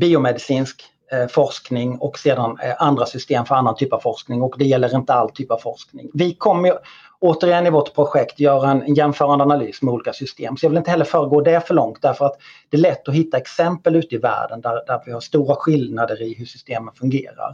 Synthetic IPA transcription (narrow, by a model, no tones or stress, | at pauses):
biːʊmɛd̪ɪsiːnsk | fɔʂknɪŋɔkseːd̪anand̪ɾasʏst̪eːmfœɾanːant̪ʰyːpav̥fɔʂknɪŋɔkd̪ɛjɛlːəɾɪnt̪əalt̪ʰyːpavfɔʂknɪ̰ŋvɪkʰɔmːəj | oːt̪əɾɪɛnːɪvɔʈːpʰɾʊɧɛkt̪jœːɾaɛnɛnjɛnfœːɾand̪əanaly̰ːsmɛuːliːkasʏst̪ḛːmsɔjɑːvɪlɪnt̪əhɛlːəɾfœːɾəɡoːd̪ɛfœɭɔŋt̪̚d̪æɾfœɾat̪d̪̥ɛːlɛt̪ːɔɦɪt̪ːaɛksɛmpəlʉ̟ːt̪əɪvæ̰ːɖənd̪æɾd̪æɾvɪhaʂt̪uːɾaɧɪlnad̪əɾɪɦɵʂʏst̪eːmənfɵŋɡḛːɾa̰ɾ